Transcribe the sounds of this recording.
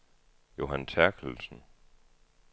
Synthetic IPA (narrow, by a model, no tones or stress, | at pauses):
jo̝ɦænt͡sʰæɐkʰl̩sn̩